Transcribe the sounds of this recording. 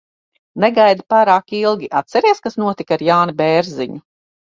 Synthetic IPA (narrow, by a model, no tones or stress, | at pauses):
neɡajd̪ipaːɾaːkilˠɡʲiʔat̪sɛɾiɛskasnuɔt̪ikaɾjaːnibɛːɾziɲu